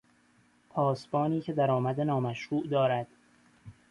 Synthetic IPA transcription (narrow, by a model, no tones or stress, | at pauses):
pʰɒːsbɒːniːcʰed̪æɾɒːmæd̪enɒːmæʃɾuːʔd̪ɒːɾæd̪̥